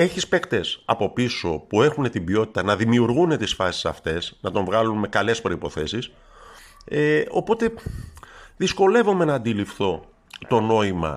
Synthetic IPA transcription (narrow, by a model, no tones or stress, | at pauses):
e̞çispe̞kt̪e̞sɐ̰po̞piso̞pue̞xune̞t̪ibio̞t̪i̥t̪ɐnɐðimiuɾɣune̞t̪isfɐsi̥sɐft̪e̞snɐt̪o̞ɱvɣɐlunme̞kɐle̞spɾo̞ipo̞θe̞sis | eo̞̰po̞t̪e̞ | ðisko̞le̞vo̞me̞nɐːnd̪ilifθo̞ | t̪o̞no̞imɐ̰